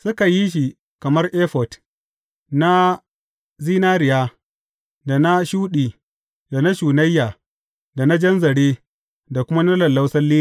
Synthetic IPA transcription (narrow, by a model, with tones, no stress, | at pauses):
sʊ˦ka˨ji˦ʃ̬i˨ | kɐ˨mɐ˦rʔeː˦ɸɔ˨t | na˦ | ziː˦naː˦ɾɪ˨jaː˦ | da˨na˦ʃuː˦ɗiː˨ | da˨na˦ʃuː˨nɐ˦jːaː˨ | da˨na˦d͡ʒɐ˦nzɐ˨ɽeː˦ | da˨kʷʊ˦ma˦nɐ˦lɐ˨lːa˦wsɐ˦lːiː˦˨